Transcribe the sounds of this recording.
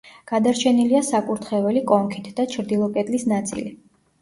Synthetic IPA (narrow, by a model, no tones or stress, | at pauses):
ɡ̥ad̪aɾt͡ʃʰɛniliasakʼuɾt̪ʰχɛvɛlikʼɔŋkʰit̪ʰd̪at͡ʃʰɾd̪ilˠɔkʼɛd̪ʼlisnat̪sʼḭli